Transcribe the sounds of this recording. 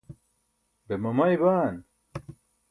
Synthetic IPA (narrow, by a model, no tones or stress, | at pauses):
bemɐmɐjbaːn